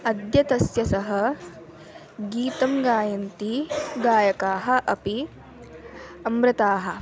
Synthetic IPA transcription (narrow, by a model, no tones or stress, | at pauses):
ɐd̪jɐt̪ɐsjɐsɐɦɐ | ɡiːt̪ɐmɡaːjɐnt̪iɡaːjɐkaːɦɐ̆ʔɐpi | ɐmɾɐt̪aːɦɐ̆